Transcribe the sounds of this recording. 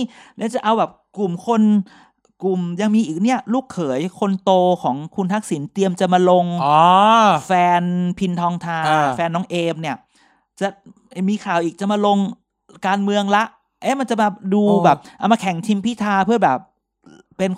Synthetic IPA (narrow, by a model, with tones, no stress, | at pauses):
ni˥˧˨t͡ɕa˨˩ʔa˧wbɛː˨˩p̚ku˨˩mkʰo˧n | ku˨˩mja˧ŋmiː˧ʔiː˨˩k̚ni˥˩ɐluː˥˩kʰːɤː˩˦jkʰo˧nt̪oː˧kʰɔː˩˦ŋkʰu˧nt̪ʰa˦˥k̚si˩˦nt̪i˧əmt͡ɕa˨˩maː˧lo˧ŋɔː˧fɛː˧npʰi˧nt̪ʰɔː˧ŋt̪ʰaː˧fɛː˧nːɔː˦˥ŋʔeː˧mni˥˩ɐ | t͡ɕa˨˩˨ | miː˧kʰaː˨˩wʔiː˨˩k̚t͡ɕa˨˩maː˧lo˧ŋ | kaː˧nmɯ˧əŋla˦˥ʔ | ʔaː˦˥jma˧nt͡ɕa˨˩maː˧duː˧bɛː˨˩p̚ʔa˧wmaː˧kʰɛ˩˦ŋt̪ʰi˧mpʰiː˥˩t̪ʰaː˧pʰɯ˥˩ɐbɛː˨˩p̚ː | e˧n